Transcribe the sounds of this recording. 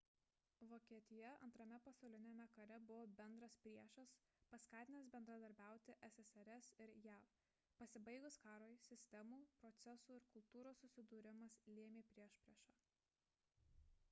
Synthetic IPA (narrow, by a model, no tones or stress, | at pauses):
ʋoːkʲiɛt̪ʲɪjɛɐ̰nt̪ɾɐmʲɛpɐsɒʊlʲɪnʲemʲɛkɐɾʲɛbʊʋoːbʲɛnd̪ɾɐspʲɾʲiɛʃɐs | pɐskɑːt̪ʲɪnʲɐsbʲɛnd̪ɾɐd̪ɐɾʲbʲæˑʊt̪ʲɪʔɛsʲɛsɛɾʲɛsɪɾjæf | pɐsʲɪbɐɪɡʊskɑːɾoːjsʲɪsʲt̪ʲɛmuːpɾɔt̪sʲɛsuːɪɾkʊlˠt̪uːɾoːsːʊsʲɪd̪uːɾʲɪmɐslʲiɛmʲeːpʲɾʲiɛʃpʲɾʲiɛʃɑː